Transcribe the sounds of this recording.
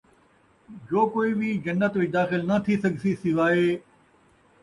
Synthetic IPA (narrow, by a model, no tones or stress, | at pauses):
d͡ʒoːkoːibʱid͡ʒɐnːət̪ʋid̪aːxɪlnɐt̪ʰisɐɡʱsisiʋaːɦeː